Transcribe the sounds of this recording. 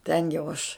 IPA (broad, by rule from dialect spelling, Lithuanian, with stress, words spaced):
ˈtʲɛn jɛʊ ɐʃ